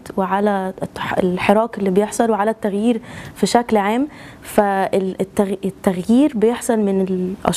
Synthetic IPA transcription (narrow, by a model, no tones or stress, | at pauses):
t̪weʕalæelħeɾˤɑːkelːiːbejeħsˤɑlweʕalæt̪ːæɣjiːɾfiʃæklʕaːmfæt̪ːæɣt̪ːæɣjiːɾbejeħsˤɑlmɪnelʔɑ̰